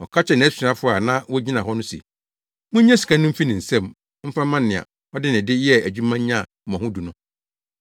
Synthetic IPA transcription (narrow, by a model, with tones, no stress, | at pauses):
ɔ̰˨kʰa˦t͡ɕʰɛ˨nɪ̃˨æ˦sɪ˨ã˦fʊ˦a˨nã˦wɔ˦d͡ʑi˦nã˨ɦɔ˦nʊ̃˦sḛ˨ | mʊ̃˦ɲ˦ɛ̃˦si̥˨kʰã˦nʊ̃˦m̩˦fi˦nɪ̃˨n̩˨sɛ̃˦˨m | m̩˦fa˦mã˦nː˨ɪ̃˨a̰˨ | ɔ˦dɪ˦nɪ̃˨dɪ˦jɛ˦æ˨d͡ʑᶣu˦mã˦ɲ˦ɲã˦˨mɔ̃˨hʊ̃˦du˨nʊ̃˦